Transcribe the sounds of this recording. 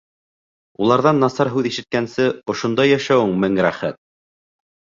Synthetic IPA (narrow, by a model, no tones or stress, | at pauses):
ulˠɑɾðɑnːɑsɑɾɦʉðiʃɘ̆t̪̚kænsɘŏʃŏnd̪ɑjːæʃæwɘŋmɘŋɾæχæt̪̚